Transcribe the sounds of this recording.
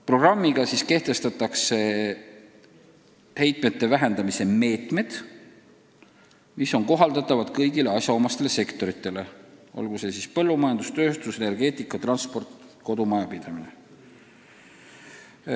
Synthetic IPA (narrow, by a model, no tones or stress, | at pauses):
pro̞ɡ̥rɑmːiɡ̥ɑsiske̞ht̪e̞st̪ɑt̪ːˑɑkse̞ | he̞jt̪ˑme̞t̪ːe̞væɦe̞nd̪ɑmise̞me̞ːt̪ˑme̞d̪̥ | miso̞ŋko̞ɦɑld̪ɑt̪ːˑɑvɑd̪̥kɤjɡile̞ɑsjɑomɑst̪e̞le̞se̞kt̪o̞ɾit̪ˑːe̞le̞o̰lɡ̥use̞sispɤlːumɑjɑnd̪ust̪ø̞ːst̪usene̞rɡ̥e̞ːt̪ˑikːˑɑt̪rɑnspo̞rt̪ko̞d̪umɑjɑpid̪̥ɑmine̞